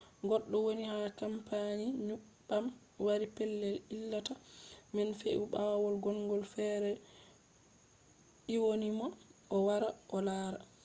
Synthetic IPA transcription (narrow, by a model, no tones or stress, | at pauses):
ɡɔɗːɔwonihakampaɲiɲuɓːam | waɾipɛlːɛlilːatamɛnfeʔuɓawɔlɡɔŋɡɔlfɛːɾɛ | iwonimɔʔɔwaɾaʔɔlaːɾa